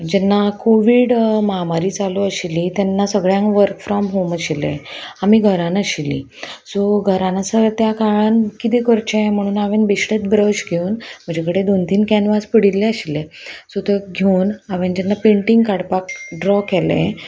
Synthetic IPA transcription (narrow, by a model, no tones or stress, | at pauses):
d͡ʑɛnːakoʋiːɽməɦamaɾiːt͡saluəɕilit̪jɛnːasəɡɭjãŋkʋəɾkfɾɔmɦoməɕilḛ̃amiɡʱəɾãnəɕilːḭ | sɔɡʱəɾãnasət̪jakaɭankit̪ikəɾt͡ɕẽm̤əɽ̃uːnaʋenbiɕʈet̪bɾəɕɡʱeuːnm̤əd͡ʑʱakəɽed̪ont̪iːnkɛnʋaspəɽilːeəɕilesɔt̪əɡʱeunaʋend͡ʑɛnːapẽɳʈiŋɡkaɽpakɖɾɔkɛlḛ̃